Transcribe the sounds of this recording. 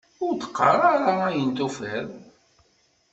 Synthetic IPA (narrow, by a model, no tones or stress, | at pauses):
ʊɾt̪ːə̥qːə̰ɾˤaɾaæjənt̪ufæð